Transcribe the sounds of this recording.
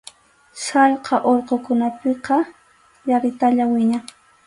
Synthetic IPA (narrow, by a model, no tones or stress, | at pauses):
saʎqʰɑʔoɾqokʊnapɪqɑ | jaɾɪt̪aʎawɪɲa